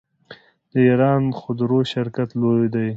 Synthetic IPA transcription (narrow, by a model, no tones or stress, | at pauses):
d̪̥əiɾɑnxʊd̪ɾoʃɪɾkat̪lojd̪aj